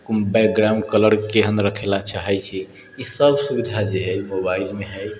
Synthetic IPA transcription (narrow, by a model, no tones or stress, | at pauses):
kumbɛk̚ɡɾamɖkələɾkeɦənɾəkʰelat͡ʃaɦɛjt͡ʃʰi | isəbsubid̪ʱad͡ʒeɦəjmobailmeɦəj